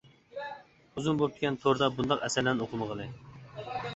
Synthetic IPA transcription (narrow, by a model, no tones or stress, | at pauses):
uzumbop̚t̪ʰɪkʲɛnt̪ʰoɾd̪ɑbund̪ɑqɛsæɾlɛnoqʰʊməʁəlˠɨ